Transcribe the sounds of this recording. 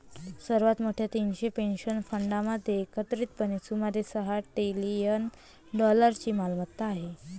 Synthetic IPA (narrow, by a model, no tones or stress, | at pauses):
səɾʋat̪moʈʰjat̪inɕepenɕənfəɳɖaməd̪ʱːjeːkət̪ɾiːt̪̚pənit͡suməd̪ʱːjesəɦaʈelijən | ɖɔləɾt͡ɕiːmalmət̪ːaːɦe